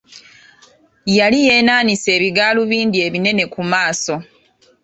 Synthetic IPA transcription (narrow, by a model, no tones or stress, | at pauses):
jalije̞ːnaːnise̞ːβiɡaːluβiːndie̞βine̞ne̞kumaːso̞